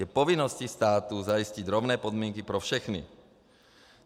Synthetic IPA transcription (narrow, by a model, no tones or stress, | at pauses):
ɛpɔʋinːɔscist̪aːt̪uzajisciɟɾɔʊnɛːpɔd̪mɪɛŋkipɾɔfʃɛxnḭ